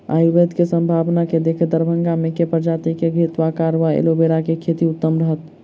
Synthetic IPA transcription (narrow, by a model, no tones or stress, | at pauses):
a̰jubed̪ʱkesəmbʱabnaked̪ekʰd̪əɾbʱəŋɡamekepəɾd͡ʒat̪ikeɡʱit̪ʋakaɾʋaḛlobeɾakekʰet̪iut̪ːəmɾəɦət̪